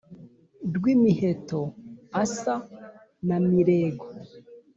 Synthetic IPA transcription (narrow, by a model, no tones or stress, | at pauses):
dɡwimihetoasa | namiɾeːɡo